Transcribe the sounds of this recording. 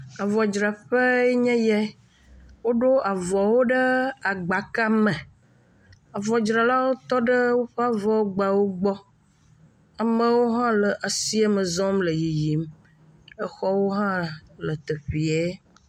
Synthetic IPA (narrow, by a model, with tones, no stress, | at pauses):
a˨vɔ˨d͡ʒɾa˨ɸə˦e˦ɲɛ̃˦jɛ˦ | wo˦ɖo˦a˨vɔ˨wo˦ɖə˦a˨ɡ͡ba˨ka˦mə˨ | a˨vɔ˨d͡ʒɾa˨la˦wo˦t̪ɔ˦ɖə˦wo˦ɸa˦vɔ˨wo˦ɡ͡ba˨wo˦ɡ͡bɔ˦ | a˨mə̃˦wo˦ɦã˦lə˨ʔa˨si˦a˦mə˨zɔ̃˦mlə˨ji˨ji˨m | ə˦xɔ˦wo˦ɦã˦lə˨t̪ə˨ɸi˨e˦